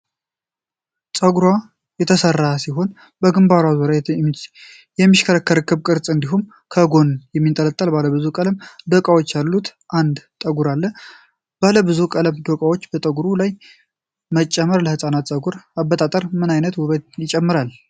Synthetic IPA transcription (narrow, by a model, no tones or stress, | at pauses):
sʼəɡuɾwa | jɛt̪ʰəsərːasiɦo̞n | bəɡɨmbaɾawzoɾa | jɛmːiʃkʰəɾəkʰːəɾəkːɨβkʼɨɾsʼɨnd̪iɦum | kʰəɡo̞njɛmːint̪ʼələt̪ʼːəlbaləbɨzukʼələmd̪əkʼawo̞t͡ʃːalːut̪ʰʔand̪t̪ʼəɡuɾalːə | b̥aləbɨzukʼələmd̪okʼawo̞t͡ʃːbət̪ʼəɡuɾulaj | mət͡ʃʼːɛmːəɾləhɨsʼanat̪sʼəɡuɾabːət̪ʼat̪ʼəɾmɨnajnət̪wʊβəd̪jɪt͡ʃʼɛmːɨɾal